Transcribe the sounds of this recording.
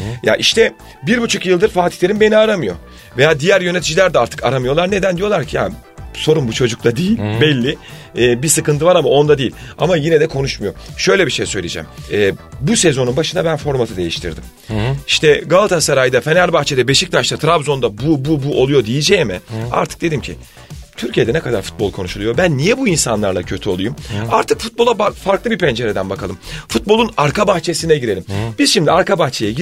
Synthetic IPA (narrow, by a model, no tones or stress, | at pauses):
ja̰ʔiʃt̪ʰɛ | biɾbut͡ʃʰukjɯlˠd̪ɯɾfaːt̪i̥lʲeɾimbe̞niaɾamɯjo̰ | vejaːd̪ijæɾjø̞ne̞t̪ʰid͡ʒilʲæɾd̪ɛaɾt̪ʰɯ̥ka̰ɾamɯjo̞lˠaɾne̞d̪ænd̪ijo̞lˠaɾcʰija̰ | so̞ɾumbut͡ʃʰo̞d͡ʒuk̚t̪ʰad̪ijilʲbɛlʲːiː | bisɯkɯnt̪ʰɯvaɾamao̞nd̪ad̪ijilʲa̰majinɛd̪ɛkʰo̞nuʃmujo̞ʃø̞jlʲɛbiʃejsø̞jlʲḭd͡ʒɛ̰mɛːbusɛzo̞nunbaʃɯnd̪abænfo̞ɾmat̪ʰɯd̪e̞jḭʃt̪ʰḭɾd̪im | iʃt̪ʰɛɡalˠt̪ʰasaɾajd̪afe̞nælʲbaxt͡ʃʰed̪ɛbeʃic̚t̪ʰaʃt̪at̪ʰɾabzo̞nd̪abububuʔolˠujo̞d̪ijid͡ʒɛmɪa̰ɾt̪ʰɯ̥k̚d̪e̞d̪imcʰi | t̪ʰyɾcʰijed̪ɛnɛkʰad̪aɾfu̥t̪̚bo̞lˠkʰo̞nuʃulˠujo̞bænːijɛbuinsanlˠaɾlˠacʰø̞t̪ʰyo̞lˠujumaɾt̪ʰɯkfut̪̚bo̞lˠabafaɾklˠɯbipʰɛnd͡ʒe̞ɾed̪ænbakʰalˠɯmfut̪̚bolˠunaɾkʰabaxt͡ʃʰe̞sinɛɟiɾe̞lʲimb̥izʃimd̪iaɾkabaxt͡ʃʰejɛɟi